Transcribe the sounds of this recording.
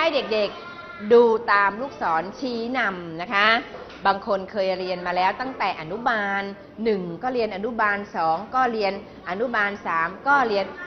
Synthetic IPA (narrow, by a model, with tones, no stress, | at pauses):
ha˥˩jde˨˩k̚de˨˩k̚ | duː˧t̪aː˧mluː˥˩k̚sɔː˩˦nt͡ɕʰiː˦˩na˧mna˦˥kʰa˦˥ | baː˧ŋkʰo˧nkʰɤː˧jɾi˧ənmaː˧lɛː˦˥wt̪a˥˩ŋt̪ɛː˨˩ʔa˧nu˦˥maː˧nː | ɯ˨˩ŋkɔː˥˩ɾi˧ənʔa˧nu˦˥baː˧nsɔː˩˦ŋkɔː˥˩ɾi˧ən | ʔa˧nu˦˥maː˧nsaː˩˦mkɔː˥˩ɾi˧ən